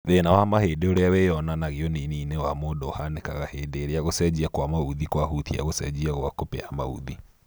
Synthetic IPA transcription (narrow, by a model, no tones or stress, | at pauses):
ðenawamaheːdeoɾeawejɔnanaɣeɔniniːnewamoːdɔhanekaɣaheːdeːɾeaɣosɛd͡ʑiakwamauðikwaɦutia̰ɣosɛ̰d͡ʑiaɣwakopeama̰ṵði